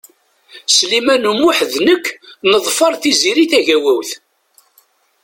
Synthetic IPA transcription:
slimænumʊħðnəkːnəðˤfɑɾˤθiziɾiθæʝæwæwθ

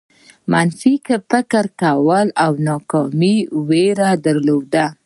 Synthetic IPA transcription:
manfikəpəkəɾkawəlawnɑkɑmiweɾad̪aɾlod̪a

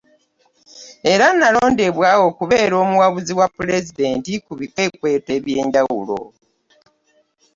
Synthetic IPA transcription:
e̞ɾanːaloːndeβwaːwo̞kuβe̞ːɾo̞ːmuwaβuziwapːule̞zide̞ːntikuβikwe̞ːkwe̞ːteːβje̞ːɲɟawṵlo̞̰

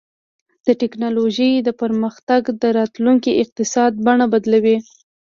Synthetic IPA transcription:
d̪̥əʈɪknɑloʒəjd̪əpəɾməxt̪aɡd̪əɾɑt̪luŋkiʔɪq̚t̪ɪsɑd̪̚baɳabad̪lawi

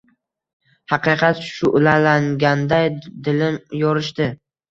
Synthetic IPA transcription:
hɑqɨqʰɑt̪ʃʊʔlalaŋɡʲand̪ajd̪ɪlɪmjɒɾɪʃt̪ɪ

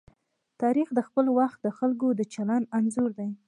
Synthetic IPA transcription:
t̪ɑɾixd̪əxpəlwaxt̪̚d̪əxalk̬od̪ət͡ʃalananzuɾd̪aj

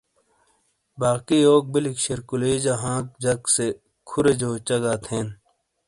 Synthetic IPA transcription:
baːkioːk̚bilikɕeɾkuleːd͡ʑaɦãːk̚d͡ʑɐkse | kʰuɾed͡ʑoːt͡ɕɐɡaːt̪ʰeːn

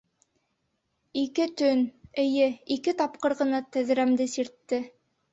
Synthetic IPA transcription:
ikɘt̪ɵnɘ̆jɘikɘt̪ɑp̚qɤ̆ɾʁɤ̆nɑt̪æ̆ð̆ɾæmd̪ɘsiɾt̪ːɘ

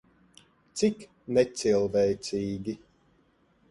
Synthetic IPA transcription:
t̪sik | nɛt̪silˠvɛjt̪sʲiːɡʲi

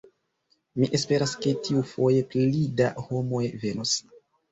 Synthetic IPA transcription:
miʔe̞spe̞ɾaske̞tiufo̞je̞plida̰ho̞mo̞jve̞nos

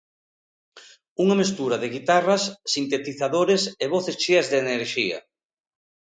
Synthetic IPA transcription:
uŋamest̪uɾaðɪɣit̪arɐsːint̪et̪iθaðoɾeseβ̞oθest͡ʃiɐzðeneɾʃiɐ̰

